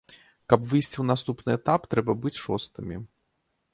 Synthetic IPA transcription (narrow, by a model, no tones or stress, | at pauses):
kɐpvɨjsʲt͡sʲiwnast̪upnɨɛt̪apt̪ɾɛbɐbɨt͡sʲʂɔst̪ɨmʲi